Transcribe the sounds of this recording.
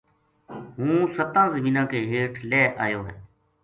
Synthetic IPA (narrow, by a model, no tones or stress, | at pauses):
ɦũːsət̪ãːzəmĩːnãːkeːɦeːʈʰlɛːʔa̰ːjoːɦɛ̰ː